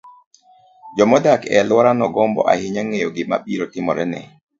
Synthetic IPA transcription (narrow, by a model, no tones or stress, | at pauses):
d͡ʒɔmɔdakɛ̰lwɔɾanɔɡɔmbɔ̰ʔa̰hɪɲaŋejoɡɪma̰ɓiɾotɪmɔ̰ɾɛnɛ̰